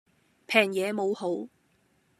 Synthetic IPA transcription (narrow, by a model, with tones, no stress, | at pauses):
pʰɛː˨˩ŋjɛː˨˧mo˨˧who˨˥w